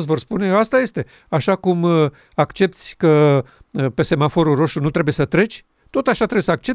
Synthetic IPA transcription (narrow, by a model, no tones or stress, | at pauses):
svo̞rspune̞joast̪aje̞st̪e̞ | aʃakum | akt͡ʃe̞p̚t̪sʲkə | pe̞se̞mafo̞ɾuro̞ʃt̪ɾunut̪ɾe̞buje̞sət̪ɾe̞t͡ʃʲ | t̪o̞t̪aʃat̪ɾebjesəak̚t͡ʃe̞